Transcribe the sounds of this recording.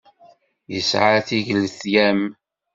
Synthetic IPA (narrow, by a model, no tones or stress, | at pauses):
jəsʕaθiʝəlθjæm